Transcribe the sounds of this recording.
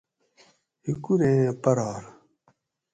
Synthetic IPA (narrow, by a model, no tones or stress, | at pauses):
hikuɾẽpɐɾɑːɾ